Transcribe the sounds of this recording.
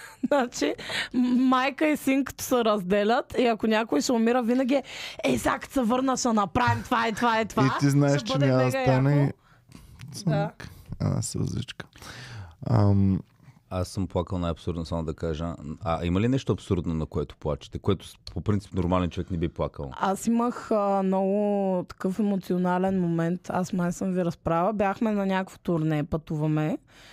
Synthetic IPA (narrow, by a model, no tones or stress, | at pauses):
nat͡ʃi | majkəisiŋkə̥t̪o̥sɛɾɐzd̪ɛlʲət̪iɐkonʲakʊisɛʊmiɾəvinɐɡʲiɛɛsakt̪sɛvɤɾnəʃɐnɐpɾavimt̪vait̪vaɛt̪viiznaɛʃt͡ʃɛnʲad̪əsɡɛanɛi | ska̰na̰sɾɐ̰zlḭt͡ʃkə̥ | am | asːəmplˠakəlˠnajɐpsuɾd̪nosamoʊd̪ɐkaʒə̰a̰imɐlinɛʃt̪ʊɐpsuɾd̪nonɐkoɛt̪ʊ̥plˠat͡ʃi̥t̪ɛkoɛt̪ʊ̥popɾint̪si̥pnoɾmalɛnt͡ʃovɛknɛbiplˠakəlˠasiməxnɔɡʊt̪ɐ̥kɤfɛmot̪sionalɛnmomɛnt̪asmajsɤmviɾɐspɾavəbʲjaxmɛnɐnʲakvo̥t̪ʊɾnɛpɐt̪uvɐmɛ